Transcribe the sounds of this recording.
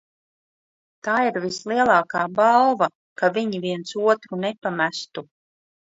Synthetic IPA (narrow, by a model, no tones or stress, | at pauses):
t̪aːiɾvislˠiɛlˠaːkaːbalˠva | kaviɲiviɛnt̪suɔt̪ɾunepamæst̪u